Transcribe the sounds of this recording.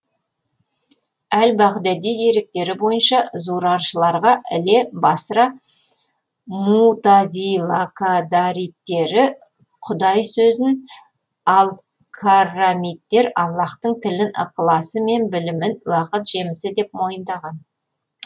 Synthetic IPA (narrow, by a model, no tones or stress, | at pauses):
ælbɑqd̪æd̪ijd̪e̞ɾɪk̚t̪e̞ɾɪbo̞jənʃɑzuɾɑɾʃəlˠɑɾʁɑʔɪ̰le̞bɑsɾɑ | mut̪azilˠakʰad̪aɾijt̪ːe̞ɾɪ | qʰʊd̪ɑjsɵzɪn | ɑlˠ | kʰarːamijt̪ːe̞ɾɑlˠːɑqt̪əɴt̪ʰɪlɪnʔə̰qəlˠɑsəme̞nbɪlɪmɪnwɑqət̪ʒ̥e̞mɪsɪd̪e̞p̚mo̞jənd̪ɑʁɑn